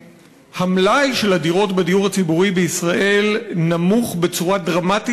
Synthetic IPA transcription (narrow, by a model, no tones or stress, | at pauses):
hamlajʃe̞lhadiʁo̞tbedijuʁhat͡sibuʁibeisʁaʔe̞lnamuχbe̞t͡suʁadʁamati